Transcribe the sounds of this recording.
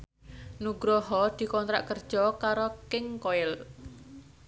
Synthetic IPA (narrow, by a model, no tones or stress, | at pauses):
nuɡ̥ɾɔɦɔd̪̥i̤kɔnt̪ɾa̰ʔkərd̥ʒ̥ɔkaɾɔkɪŋkoɪl